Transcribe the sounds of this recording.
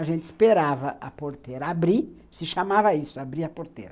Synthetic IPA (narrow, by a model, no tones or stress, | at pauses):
aʒẽnt͡ʃ̪ɪspeɾavɐʔɐpoɾt̪eɾɐabɾi | sɪʃamavɐisʊabɾiɐpoɾt̪eɾɐ